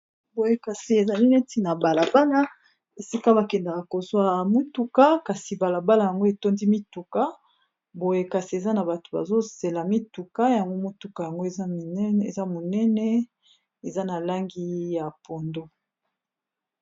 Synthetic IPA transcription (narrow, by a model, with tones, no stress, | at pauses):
bo˨je˦ka˨si˨e˨za˨li˦ne˦ti˦na˨ba˨la˨ba˦la˦ | e˨si˦ka˦ba˨kɛ˨nda˨ka˨ko˨zwa˦mo˦tu˦ka˦ka˨si˨ba˨la˨ba˦la˨ja˨ŋɡo˦e˨to˦ndi˦mi˦tu˨ka˦ | bo˨je˦ka˨si˨e˨za˦na˨ba˨to̥˨ba̰˨zo˦se˨la˨mi˦tu˨ka˦ja˨ŋɡo˦mo˦tu˨ka˨ja˨ŋɡo˦e˨zḛ˨za˦mo˨nɛ˦nɛ˦ | e˨za˦na˨la˦ŋɡi˦ja˨po˨ndo˦